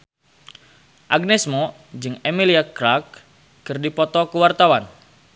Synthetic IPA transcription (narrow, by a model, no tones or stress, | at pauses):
ʔaɡ̚nɛsmɔ | d͡ʒɨŋemiliakɾak̚ː | ɨrdipɔt̪ɔkuwart̪awan